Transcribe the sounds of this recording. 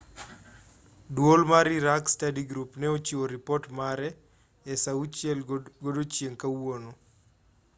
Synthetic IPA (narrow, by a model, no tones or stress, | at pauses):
dwolmaɾiɾakstadiɡɾupnɛot͡ʃiwoɾipɔrtmaɾɛ | ɛsaut͡ʃjɛlɡodot͡ʃjeŋkawono